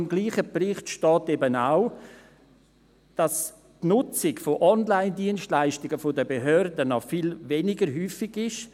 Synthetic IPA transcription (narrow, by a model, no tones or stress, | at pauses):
ɪmɡliːχəprɪχtʃtɔːtebənaʊ | d̥as | tnʊt͡sɪɡfoʔɔnlaɪndiənstlaɪʃtɪɡəfodəbeɦœɾdənɔfilvɛnɪɡəɾɦyːfɪɡɪʃ